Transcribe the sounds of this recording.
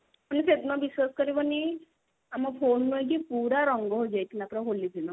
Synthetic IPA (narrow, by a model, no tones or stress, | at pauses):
panset̪nɔbiswaskɔɾibɔni | amɔpʰonːuek̬ipuɾaɾɔŋɡɔɦod͡ʒajt̪ʰinapɾaɦolid̪ʱinɔ